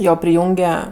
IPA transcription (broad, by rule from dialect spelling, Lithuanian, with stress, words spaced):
ˈjoː pʲrʲɪˈjuːŋʲɡʲɛ